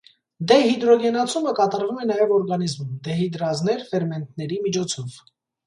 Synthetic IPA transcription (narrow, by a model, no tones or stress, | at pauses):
d̪ɛhid̪ɾɔɡɛnɑt͡sʰuməkɑt̪ɑɾvumɛnɑjɛvɔɾɡɑnizmumd̪ɛɦid̪ɾɑznɛɾfɛɾmɛnt̪̚ʰnɛɾimit͡ʃʰɔt͡sʰɔv